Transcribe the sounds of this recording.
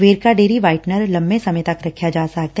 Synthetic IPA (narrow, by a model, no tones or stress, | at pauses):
ʋeːɾkaɖeːɾiʋaːɪʈnəɾlɐ̃mbẽsɐmət̪ɐkɾɐkʰjad͡ʒaːsɐɦk̚t̪